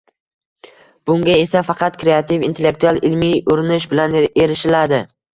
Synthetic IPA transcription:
b̥ʊŋɡʲae̞safɑqʰɑt̪kɾeat̪ʰɪvint̪ʰe̞lːek̚t̪ʰualˠɪlmijʊɾɪnɪʃbɪlaneɾɪʃɪlad̪ɪ

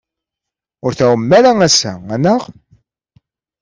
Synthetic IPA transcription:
ʊɾθæwəmːæɾæŋæsæ̰ænəʁ

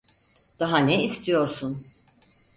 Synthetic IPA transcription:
d̪̥aɦaneist̪ʰijo̞ɾsun

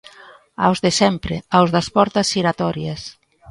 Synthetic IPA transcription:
a̰wzðesɛmpɾɪawzðɐspɔɾt̪ɐsiɾat̪ɔɾjɐs

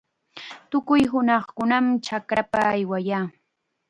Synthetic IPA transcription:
t̪ʊkʊjɦʊnɑχkʊnamt͡ʃakɾapaːjwajaː

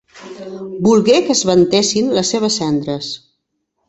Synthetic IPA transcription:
bulˠɣekəzβənt̪esinləsːeβ̞əsːɛnd̪ɾəs

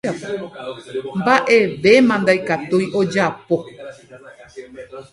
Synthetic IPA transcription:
ap | mbaʔe̞ʋe̞mãnd̪ajkat̪ujʔo̞d͡ʒapo̞

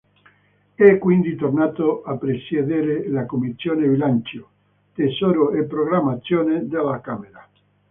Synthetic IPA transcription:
ɛkːwind̪it̪ornat̪oʔapɾesjeðeɾelakomisjoneβilant͡ʃjo | t̪esoɾoepɾoɣɾamat̪sjoned̪elakameɾa

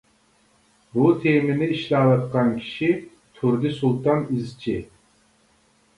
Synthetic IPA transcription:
but̪ʰemɪnɪiʃlɑːlɑt̪qɑnkʲʰi̥ʃi | t̪ʰuɾd̪ɪsulˠt̪ɑnizt͡ʃʰi

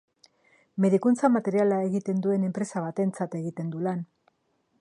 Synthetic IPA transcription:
me̞ðikunt͡samat̪e̞ɾialae̞ɣit̪e̞nd̪ue̞ne̞mpɾe̞saβ̞at̪e̞nt͡sat̪e̞ɣit̪e̞nd̪ulan

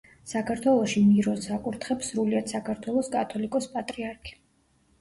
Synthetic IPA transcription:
sakʰaɾt̪ʰwɛlˠɔʃimiɾɔsakʼuɾt̪ʰχɛpsɾuliat̪sakʰaɾt̪ʰwɛlˠɔskʼat̪ʰɔlikʼɔspʼat̪ʼɾiaɾkʰi̥

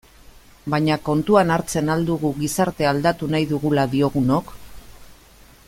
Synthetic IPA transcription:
baɲako̞nt̪uanaɾt͡se̞nald̪uɣuɣisaɾt̪e̞ald̪at̪unajðuɣulaðio̞ɣuno̞k

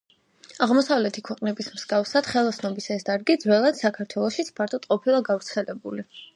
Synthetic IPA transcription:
aʁmɔsavlɛt̪ʰikʰwɛqʼnɛbismz̥ɡafsad̪̥χɛlˠasnɔbisaɛsd̪aɾɡid̪zwɛlˠad̪̥sakʰaɾt̪ʰwɛlˠɔʃit̪sʰpʰaɾt̪ʰɔt̪ʼqʼɔpʰilˠaɡavɾt̪sʰɛlɛbuli

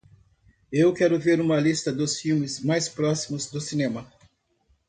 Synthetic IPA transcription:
ewkɛɾʊveɾũmɐlist̪ɐd̪ʊsfiwmɪzmajspɾɔsimʊzd̪ʊsinẽmɐ

